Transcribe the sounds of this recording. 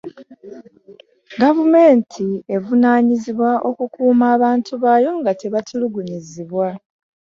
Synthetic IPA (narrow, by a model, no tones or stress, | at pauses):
ɡavume̞ːntʰie̞vunaːɲiziβwaʔo̞kukuːmaːβaːntʰuβaːjo̞ŋɡatʰe̞βatʰuluɡuɲiziβwa